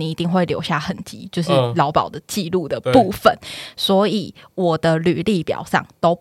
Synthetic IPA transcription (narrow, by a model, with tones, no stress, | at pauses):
ni˨˦i˧˦t̪i˥˧ŋxwe˥˩ɪljo̰˧˥ʊɕja̰˥˩xə˨˩nt͡ɕḭ˧˦t͡ɕjo˥˧ʊʂɻ̩˥˩lɑ˧˥ʊpɑ˨˩ʊd̪ə˩t͡ɕi˥˧lu˥˩d̪ə˩u˥˩˨fə˨˦nswɔ˧˥i˨˩˦wɔ˨˩d̪ə˦ly˨˩li˥˩pjɑ̰˨˩ʊʂɑ̰˥˩ŋt̪o˥ʊ